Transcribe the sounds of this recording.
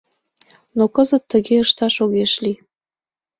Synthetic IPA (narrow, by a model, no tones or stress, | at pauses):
nokəzət̪ːəɣeəʃt̪ɑʃoɣeʃli